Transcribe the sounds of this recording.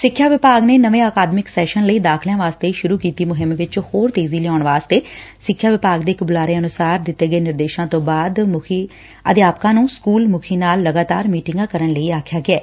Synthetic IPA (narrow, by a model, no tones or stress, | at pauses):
sɪkʰːjaːʋɪpaːɡneːnəʋẽːaːkaːd̪mɪksɛːʃənləiːd̪aːkʰljãːʋaːst̪eːʃʊɾuːkiːt̪iːmʊɦɪmʋɪt͡ʃhoːɾt̪eːziːlɪaːɳʋaːst̪eːsɪkʰːjaːʋɪpaːɡd̪eːɪkbʊlaːɾeːənʊsaːɾd̪ɪt̪ːeːɡəeːnɪɾd̪eːʃãːt̪õːbaːd̪mʊkʰiː | ə̰d̪ɪjaːpkãːnũːskuːlmʊkʰiːnaːlːəɡaːt̪a̰ːɾmiːʈɪŋɡãːkəɾəɳləiːaːkʰjaːɡɪɛː